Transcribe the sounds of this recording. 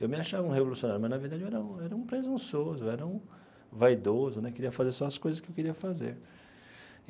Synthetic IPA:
ewmɪaʃavɐũɦevolusiõnaɾjʊmɐznɐveɾd̪ad͡ʒɪewɛɾɐɐ̃w̃ɛɾɐũpɾezũsozʊɛɾɐũ | vajd̪ozʊnɛkeɾiɐfazeɾsɔ̃ɐskojzɐskɪewkeɾiɐfazḛɾ

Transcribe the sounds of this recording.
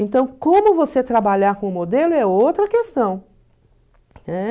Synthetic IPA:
ẽnt̪ɐ̃w̃kõmʊvoset̪ɾabaʎaɾkõʊmod̪elʊɛowt̪ɾɐkest̪ɐ̃w̃ | ɛ

